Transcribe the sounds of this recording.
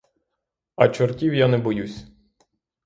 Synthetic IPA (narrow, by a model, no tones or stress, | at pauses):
ɐt͡ʃɔrtʲiwjanɛbɔjusʲ